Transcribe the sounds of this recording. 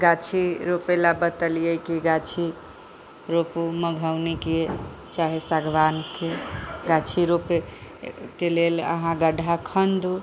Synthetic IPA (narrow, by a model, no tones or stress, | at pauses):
ɡat͡ʃʰiɾopelabət̪əlijəkiɡat͡ʃʰi | ɾopuməɡʱəwnike | t͡ʃaɦesaɡʱʋankeɡat͡ʃʰiɾope | kelelə̰ɦãɡəɖʱakʰənd̪u